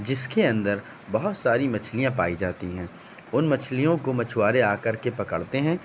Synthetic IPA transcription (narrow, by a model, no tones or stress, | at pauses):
d͡ʒɪskeɐ̃nd̪əɾ | bɐɦʊt̪saːɾimɐt͡ʃʰlijãpaːid͡ʒaːt̪iɦɛ̃ː | ʊnmɐt͡ʃʰlijõkomɐt͡ʃʰwaːɾeaːkɐɾkepɐkə̰ɽt̪eɦɛ̃ː